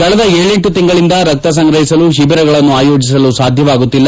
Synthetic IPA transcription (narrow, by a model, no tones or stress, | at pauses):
kɐɭɐd̪ɐeːɭe̞ɳʈut̪iŋɡɐɭind̪ɐɾɐk̚t̪ɐs̬ɐŋɡɾɐɦisɐluʃibɐɾɐɡɐɭɐnːuaːjo̞ːd͡ʒis̬ɐlusaːd̪ʱjɐʋaːɡut̪ːilːɐ